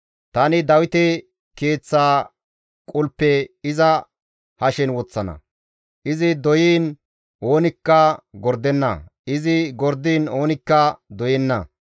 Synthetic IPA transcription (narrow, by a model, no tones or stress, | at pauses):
t̪ɐnɪd̪ɐwɪt̪ɛ | ke̞ːt͡sːaː | kʼʊlpːɛɪzɐ | hɐʃɛnwɔt͡sːɐnɐ̰ | ʔɪzɪd̪ɔjiːn | ʔo̞ːnɪkːɐɡɔɾd̪ɛnːɐ̰ʔɪzɪɡɔɾd̪iːno̞ːnɪkːɐd̪ɔjɛnːɐ̰